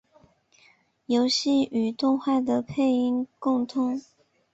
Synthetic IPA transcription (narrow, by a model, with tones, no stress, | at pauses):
jo˧˥ʊɕi˥˩y˨˩t̪ʊ˥˧ŋxwa˥˩d̪ə˩pʰe˥˩ɪi˥ŋkʊ˥˧ŋt̪ʰʊ˥ŋ